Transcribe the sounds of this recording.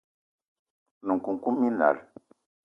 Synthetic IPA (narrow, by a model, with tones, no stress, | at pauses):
nũ˨ŋ˨kũ˨ŋku˦mĩ˦na̰˨ɾ